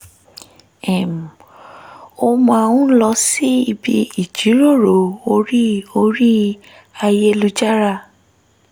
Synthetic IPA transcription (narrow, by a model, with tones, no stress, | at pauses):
ɛ˨m˨ | o˧mã˧wũ˦lɔ˧si˦i˧bi˧i˨d͡ʒi˨˦ɾo˦˨ɾo˨o˧˦ɾi˦o˧ɾi˦ | a˧je˦˧lu˧d͡ʒa˦ɾa˦˨